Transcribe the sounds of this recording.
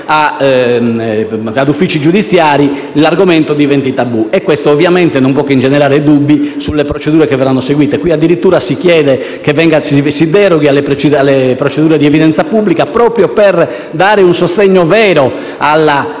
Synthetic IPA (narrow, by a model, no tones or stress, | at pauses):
a | ad̪ufːit͡ʃid͡ʒud̪it̪sːjaːɾi | laɾɡomɛnt̪od̪ivent̪it̪abːuɛkːwɛst̪oːvjamɛnt̪ɛnompwɔkːind͡ʒɛnɛɾaːɾed̪ubːisulːepɾot͡ʃed̪uːɾɛkɛvɛrːanːoseɡwiːt̪ɛkwiad̪ːiɾit̪ːuːɾasikjɛːðɛ | kevɛŋɡassid̪ɛɾɔɣialːɛpɾt͡ʃalːɛpɾot͡ʃed̪uːɾɛd̪iɛviðɛnt̪sapubːlikapɾɔːpɾjɔpɛr | d̪aːɾeunsost̪eɲːɔvɛːɾɔ | alːa